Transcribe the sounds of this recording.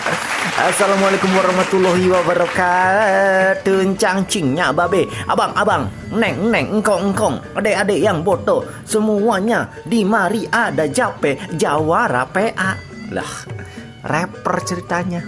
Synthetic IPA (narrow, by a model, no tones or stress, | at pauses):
a̰salamualekumwaɾɔhmat̪ulɔɦiwabaɾɔka | t̪əɲt͡ʃaŋt͡ʃiŋɲababeʔa̰baŋabaŋ | nɛŋnɛŋŋ̩kɔŋŋkɔŋadeʔadeʔjaŋbot̪ɔ | səmuaɲa | dimaɾiʔadad͡ʒapɛd͡ʒawaɾa̰peʔa | la̰h | rɛpərt͡ʃəɾit̪aɲa